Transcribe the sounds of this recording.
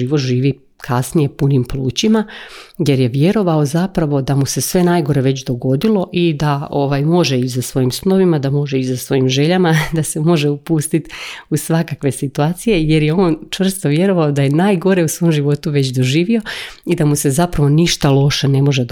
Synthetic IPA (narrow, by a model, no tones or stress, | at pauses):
iːʋot̪ʒiːʋi | kʰasnije̞punimpluːt͡ɕimaje̞ɾje̞ʋje̞ɾo̞ʋao̞zapɾaʋo̞d̪amuse̞sʋe̞najɡo̞ɾe̞ʋe̞t͡ɕd̪o̞ɡo̞d̪ilˠo̞ʔid̪ao̞ʋajmo̞ʒeizasʋo̞jimsnoʋimad̪amo̞ʒeizasʋo̞jimʒe̞ʎamad̪ase̞mo̞ʒe̞upuːst̪it̪usʋakakʋe̞sit̪uaːt̪sije̞je̞ɾjeo̞ːnt͡ʃʋr̩st̪o̞ʋje̞ɾo̞ʋaod̪aje̞naːjɡo̞ɾe̞usʋoːmʒiʋo̞t̪uʋe̞t͡ɕd̪o̞ʒiːʋio̞id̪amuse̞zapɾaʋo̞niʃt̪alˠo̞ʃene̞mo̞ʒe